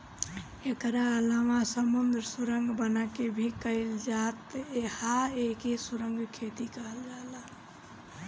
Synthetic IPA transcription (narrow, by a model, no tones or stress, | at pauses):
ekɾalamasəmund̪ɾsuɾəŋɡbənakebʱikəɪld͡ʒat̪ehaekesuɾəŋɡkʰet̪ikəɦəld͡ʒala